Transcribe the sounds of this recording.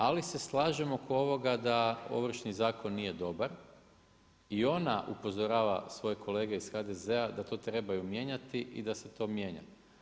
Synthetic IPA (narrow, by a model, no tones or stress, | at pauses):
alise̞slˠaːʒe̞mokoo̞ʋo̞ɡad̪ao̞̰ʋɾ̩ʃnizaːko̞nːije̞d̪o̞baɾ | io̞naʔupo̞zoɾaːʋasʋo̞jekʰo̞le̞ːɡeisxad̪e̞ze̞ad̪at̪o̞ːt̪ɾe̞bajumje̞ɲat̪iʔḭd̪ase̞t̪o̞ːmje̞ɲa̰